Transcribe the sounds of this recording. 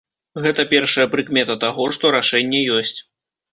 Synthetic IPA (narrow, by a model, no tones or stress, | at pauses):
ɣɛt̪ɐpʲɛrʂɐjɐpɾɨkmʲɛt̪ɐt̪aɣɔʂt̪ɔɾaʂɛnʲːɛjɔsʲt͡sʲ